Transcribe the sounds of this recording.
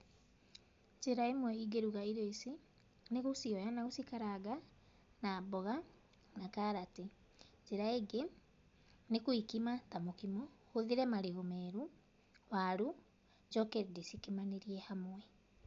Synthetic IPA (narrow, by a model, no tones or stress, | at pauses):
d͡ʒeɾaemwɛiɡeɾuɣaiɾoesi | neɣosiɔjanaɣosikaɾaɡa | nabɔɣa | nakaɾate | d͡ʒeɾaeɡe | nekoikimatamokimɔ | hoðiɾɛmaɾeɣomɛɾu | waɾu | d͡ʒɔkɛɾdesikemaneɾiɛhamwɛ